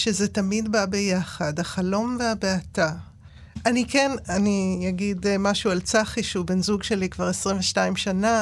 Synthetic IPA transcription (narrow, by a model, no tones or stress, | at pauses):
ʃezetamidbabe̞jaχadhaχalo̞mveabeata | ʔanikenanijaɡidmaʃualt͡saχiʃube̞nzuɡʃe̞likvaʁesʁimɱveʃtaimʃana